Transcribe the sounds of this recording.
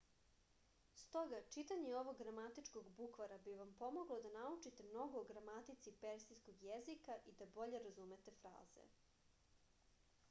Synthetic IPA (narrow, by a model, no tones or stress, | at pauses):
st̪o̞ɡat͡ʃit̪aɲeo̞ʋo̞ɡɡɾamat̪it͡ʃkoɡbukʋaɾabiʋampo̞mo̞ɡlo̞d̪anaut͡ʂit̪e̞mno̞ɡoːɡɾamat̪it̪sipeɾsisko̞ɡjezikaʔid̪abo̞ʎe̞ɾazumet̪e̞fɾa̰ːze̞̰